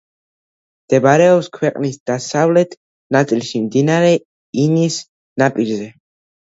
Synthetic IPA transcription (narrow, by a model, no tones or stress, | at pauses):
md̪̥ɛbaɾɛɔpskʰwɛqʼnisd̪̥asavlɛt̪ʰ | nat̪sʼilʃimd̪inaɾɛ | inis | napʼiɾzɛ